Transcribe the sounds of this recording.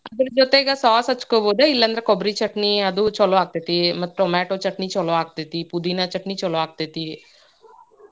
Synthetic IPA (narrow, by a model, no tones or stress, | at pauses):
ɐd̪ɐɾud͡ʒoːt̪eɡasaːsɐt͡ʃːu̥koːboːd̪eːilːɐnd̪ɐɾekobɾit͡ʃɐʈniɐd̪ut͡ʃɔloaːk̚t̪ɐt̪imɐt̪ːɾomɛːʈoːt͡ʃɐʈnit͡ʃɔloaːk̚t̪et̪ipud̪inɐt͡ʃɐʈnit͡ʃɔloaːk̚t̪ɐt̪i